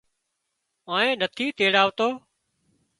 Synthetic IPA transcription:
ãːẽːnət̪ʰiːt̪eːɽaːʋt̪oː

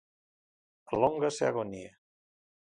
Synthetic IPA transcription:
loŋɡaseaɣonie

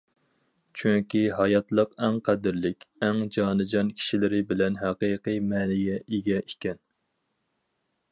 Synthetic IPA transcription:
t͡ʃʰyŋkʲiɦɑjɑt̪lˠəqæŋqʰæd̪ɪɾlɪkʲɛŋd͡ʒɑːnɨd͡ʒɑnkʲʰi̥ʃilɪɾɪbɪlɛnɦæqijqɨjmɛːnɪɡɛʔiɡʲɛikʲɛn

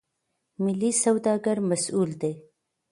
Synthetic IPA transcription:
mɪlːisawd̪ɑɡaɾmasuld̪e

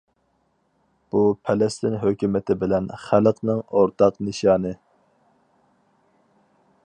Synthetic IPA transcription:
b̥upʰɛlɛst̪ɪnɦøkʲymɪt̪ʰɪbɪlɛnχæləqnɨŋoɾt̪ʰɑqnɨʃɑːnɨ

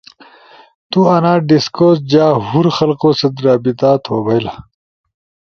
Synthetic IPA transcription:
t̪uɐnaːɖiskoːsd͡ʑaːɦuɾxɐlqoːsɐd̪ɾaːbit̪aːt̪ʰoːbɐjla

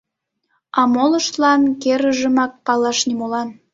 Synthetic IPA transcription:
ɑmoləʃt̪lɑnkeɾəʒəmɑk̚pɑlɑʃnimolɑn

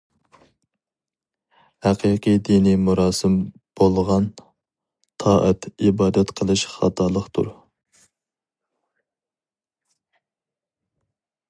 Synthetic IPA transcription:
hæqʰiqʰijd̪inimuɾɑːsɨm | b̥olˠʁɑn | t̪ʰɑːʔə̰t̪ibɑːd̪ɛt̪qʰəlˠɨʃχɑ̰t̪ʰɑːlˠəχt̪ʰṵɾ

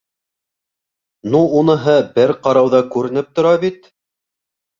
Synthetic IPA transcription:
nuunɤ̆ɦɤbɘɾqɑɾɑwðɑkʉɾɘ̆nɘp̚t̪ŏɾɑβit̪

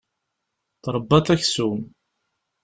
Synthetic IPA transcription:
θɾˤəbːɑθæçsum

